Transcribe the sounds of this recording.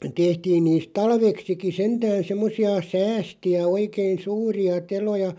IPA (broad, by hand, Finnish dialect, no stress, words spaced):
tehtiːn niːst tɑlʋeksiki sentæːn̞ semːosiɑ sæːstiæ oikein̞ suːriɑ telojɑ